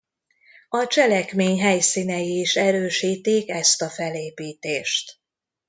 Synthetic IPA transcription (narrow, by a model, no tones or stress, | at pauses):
ɒt͡ʃɛlɛkmeːɲɦɛjsiːnɛjiːʃɛɾøːʃiːt̪ikɛst̪ɒfɛleːpiːt̪eːʃt̪